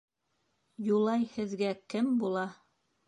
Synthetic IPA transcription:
julˠɑjhɘ̆ðɡækɘmbulˠɑ

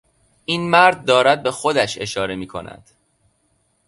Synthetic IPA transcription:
ʔiːnmæɾd̪̚ːɒːɾæd̪̚be̞xo̞d̪æʃe̞ʃɒːɾe̞miːkʰo̞̰næ̰d̪̥

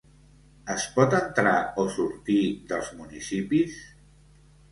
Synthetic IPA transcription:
əspɔt̪ənt̪ɾaosuɾt̪iðəlˠzmunisipis

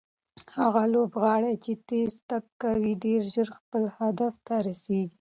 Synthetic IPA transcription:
haɣalobɣɑɽat͡ʃet̪est̪akkːawiɖeɾʒəɾxpəlhad̪aft̪aɾaseɡi

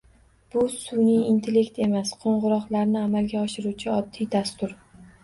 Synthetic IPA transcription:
b̥ʊsʊnijint̪ʰele̞kt̪e̞masqʰoɴʁʊɾɒqlaɾnɪamalɡʲaɒʃɪɾuwt͡ʃʰɪɒd̪ːijd̪ast̪ʊɾ

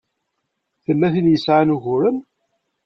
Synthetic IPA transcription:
θəlːæθiljəsʕanuʝʊɾən

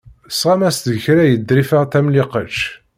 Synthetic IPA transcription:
sʁæmæst̪çɾæjəd̪ɾifəʁt̪æmliqət͡ʃ

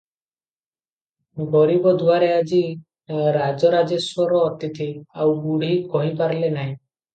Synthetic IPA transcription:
ɡɔɾibɔd̪ʱwaɾead͡ʒi | ɾad͡ʒɔɾad͡ʒeswɔɾɔːt̪it̪ʰiawbuɽ̤ikɔɦipaɾlenaɦĩ

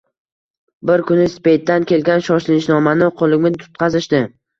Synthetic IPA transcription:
bɪɾkʰʊnɪspe̞t̪ːankʲe̞lɡʲanʃɒʃlɪɪʃnɒmanɪqʰolˠɪɡʲmɪt̪ʰʊ̥t̪̚qʰɑzɪʃd̪ɪ

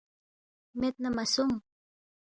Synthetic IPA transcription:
met̪̚namasum

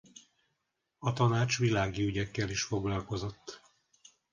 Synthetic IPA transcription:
ɒt̪ɒnaːt͡ʃʋilaːɡiyɟɛkːɛliʃfo̞ɡlɒlko̞zo̞t̪ː

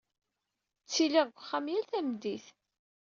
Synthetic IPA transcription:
t͡sːiliʁɡʷχːamjælθæmd̪iθ

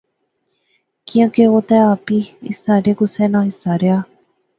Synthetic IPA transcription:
kiãkeot̪ɛapiḭsaɾekusenãisaɾea

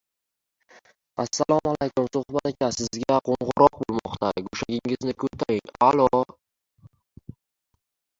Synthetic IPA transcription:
asːalˠɒmalejkʊmsʊhbat̪ekʲasɪzɡʲaqʰoɴʁʊɾɒq̚bolˠmɒ̰qt̪ʰaɡoʃaɡʲɪŋɪznɪkʰɵt̪ʰːaɾɪŋalˠɒ

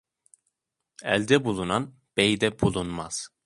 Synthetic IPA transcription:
ɛ̰lʲd̪ɛbulˠunan | b̥ejd̪ɛbulˠunmaz̥

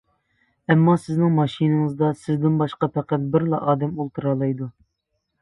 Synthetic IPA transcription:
ɛmːɑsɪznɪŋmɑʃinɨŋɨzd̪ɑsɪzd̪ɪnbɑʃqɑpʰæqæt̪̚bɪɾlˠɑʔɑːd̪ɛmolˠt̪ʰuɾɑlˠɑjd̪u

